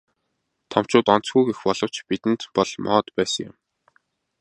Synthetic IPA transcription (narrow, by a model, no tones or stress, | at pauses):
t̪ʰɔm̥t͡ɕʊːt̪ɔn̥t͡sɡujɡexpɔɮɞ̆w̥t͡ɕpit̪ɘ̆nt̪pɔɮmʔɔ̰ːt̪pæːsə̆ŋjʊ̰̆m